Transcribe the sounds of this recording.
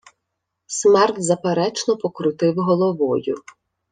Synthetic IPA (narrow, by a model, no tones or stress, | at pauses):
smɛrt̪zɐpeɾɛt͡ʃnɔpɔkɾʊt̪ɪwɦɔlˠɔʋɔjʊ